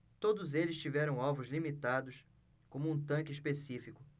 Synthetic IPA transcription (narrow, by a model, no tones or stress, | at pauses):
t̪od̪ʊzelɪst͡ʃivɛɾɐ̃w̃ɔvʊzlimit̪ad̪ʊs | kõmʊũt̪ɐ̃kɪispesifikʊ